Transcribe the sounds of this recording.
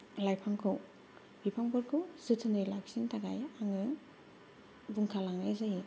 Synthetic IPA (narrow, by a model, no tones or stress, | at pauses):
lajpʰaŋkʰɯw | bipʰaŋbɔɾkʰusɯtʰɯnɯjlaksintaɡa̰jaŋɯ | buŋkʰalaŋnajzaji